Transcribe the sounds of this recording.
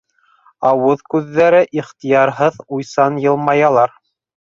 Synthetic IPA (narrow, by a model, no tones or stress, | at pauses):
ɑwɤðkʉðːæɾɘʔiχt̪ijɑɾɦɤðujsɑnjɤ̆lˠmɑjɑlˠɑɾ